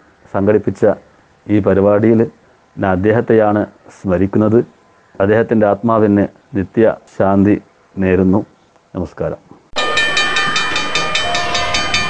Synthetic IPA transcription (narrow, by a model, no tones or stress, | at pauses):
sɐŋɡɐɽipːit͡ɕːɐ | iːpɐɾiʋaːɽijil | naɐd̪ːe̞ːɦɐt̪ːejaːɳɨsmɐɾikʲːunːɐðɨ | ɐd̪ːe̞ːɦɐt̪ːinde̞aːt̪maːʋinːɨ | nit̪jɐ̰ɕaːnd̪ʱi | ne̞ːɾunːu | nɐmɐskaːɾɐ̰m